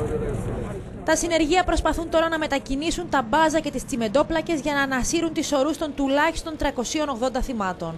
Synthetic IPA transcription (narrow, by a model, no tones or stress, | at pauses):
t̪ɐsine̞ɾʝiɐpɾo̞spɐθunt̪o̞ɾɐnɐme̞t̪ɐcinisunt̪ɐbɐzɐce̞t̪ist͡sime̞d̪o̞plɐce̞zʝɐnɐːnɐsiɾunt̪iso̞ɾust̪o̞nt̪ulɐçi̥st̪o̞nt̪ɾɐko̞sio̞no̞ɣðo̞nd̪ɐθimɐt̪o̞n